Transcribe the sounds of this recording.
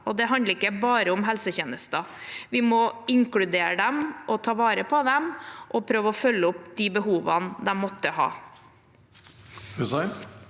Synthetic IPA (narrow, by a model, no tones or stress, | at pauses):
ɔd̪ɛɦɑnd̪əɾɪkːəbɑːɾəʊmɦɛlsəçeːnəst̪ɑʋɪmɔɪŋkɽʉd̪eːɾəd̪ɛmʔɔt̪ʰɑːʋɑːɾəpʰɔd̪ɛmʔɔpʰɾøːʋəɔfœlːəʊpd̪iːbəɦuːʋɑnd̪ɛmːɔt̪ːəhɑ̰ː | hʉsɑ